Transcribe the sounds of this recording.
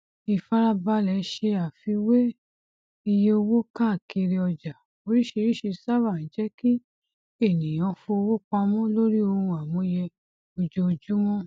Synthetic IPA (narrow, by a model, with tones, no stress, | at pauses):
i˧fa˦ɾa˦ba˧lɛ˨˦ʃe˧a˨fi˧we˦ | i˧je˧o˧wo˦ka˦˨ke˧ɾe˧ɔ˧d͡ʒa˨ | o˨ɾi˦ʃe˧ɾi˦ʃi˧sa˦va˦˨ñ˨d͡ʒɛ˦ki˦ | e˦˨nĩ˨j̃ɔ̃˧fo˧o˧wo˦k͡pa˧mɔ̃˦lo˦ɾi˦o˧hũ˧a˨mũ˨˦jɛ˧ | o˧d͡ʒo˧d͡ʒu˦mɔ̃˦